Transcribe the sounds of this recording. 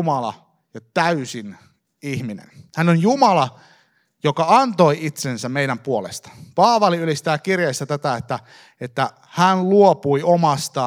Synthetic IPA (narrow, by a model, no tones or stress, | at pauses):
mɑlɑ̰ | jɑt̪æysin | ihminḛnhænonjumɑlɑ | jokɑɑnt̪o̞iit̪sensæmmeiɾæmpuolḛst̪ɑ̥pɑːʋɑliylist̪æːkirjeist̪ɑt̪æt̪æet̪ːæ | et̪ːæ | hænluopuiomɑst̪ɑ